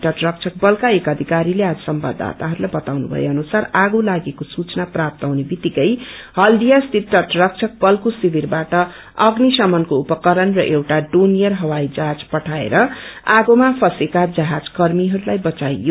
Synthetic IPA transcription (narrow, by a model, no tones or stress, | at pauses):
ʈʌʈrʌk̚t͡sʰʌk̚bʌlkaekʌd̪ʱikaɾilead͡zʌsʌmba̰d̪ʱa̰t̪aɦʌɾulajbʌt̪awnṵbʱʌ̰jeʌnusaraɡolaɡekosut͡snaprap̚t̪awnebit̪ikʌjhʌld̪ijast̪it̪ːʌʈrʌk̚t͡sʰʌk̚bʌlkosibʱirbaʈʌ | ʌɡnisʌmʌnkoupʌkʌɾʌnrʌʔewʈaɖonijʌrɦʌwajd͡zaɦad͡zpʌʈʰaḛɾʌaɡomapʰʌsekad͡zʌɦad͡zkʌrmiɦʌɾulajbʌt͡sajjo